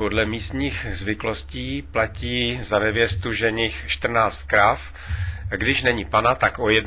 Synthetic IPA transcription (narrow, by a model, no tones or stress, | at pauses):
podlɛmiːst̪ɲiːxzvɪklosciːplaciːzanɛvjɛst̪uʒɛɲɪxʃt̪r̩naːt͡st̪̚kɾaf | ɡdɪʃnɛɲiːpanat̪akʔojɛd